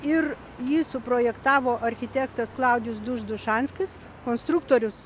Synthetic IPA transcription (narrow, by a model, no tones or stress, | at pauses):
ɪr | jiːsʊpɾoːjɛkt̪ɑːʋoːʔɐɾʲxʲɪt̪ʲæːkt̪ɐsklˠɑˑʊd̪ʲɪjʊsd̪ʊʒd̪ʊʃɑːnʲsʲkʲɪs | koːnst̪ɾʊk̚t̪oːɾʲʊs